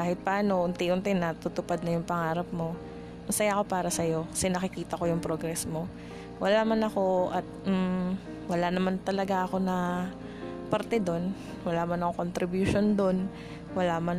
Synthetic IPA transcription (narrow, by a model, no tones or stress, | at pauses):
aːhɪt̪̚pɐʔaːno̞ʔʊnt̪iʔʊnt̪ɪnɐt̪ut̪ʊpad̪̚nɐjʊŋpɐŋaːɾɐp̚mo̞ | mɐsɐjaʔko̞paːɾɐsɐjo̞kɐ̥sɛnɐkɪkiːt̪ɐko̞jʊŋpɾoɡɾɛsmo̞ | wɐlamɐnɐko̞ʔɐt̪̚m̩ | wɐlanɐmant̪ɐlɐɡaʔɐko̞nɐ | pɐɾt̪ɛd̪o̞n | wɐlaːmanɐko̞kont̪ɾɪbjʊʃo̞nd̪o̞n | wɐlamɐn